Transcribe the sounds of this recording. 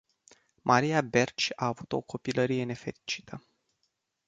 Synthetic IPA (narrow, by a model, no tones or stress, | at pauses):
mʔaɾijabe̞rt͡ʃaːvut̪o̞̰ko̞piləɾije̞ne̞fe̞ɾit͡ʃi̥t̪ʰə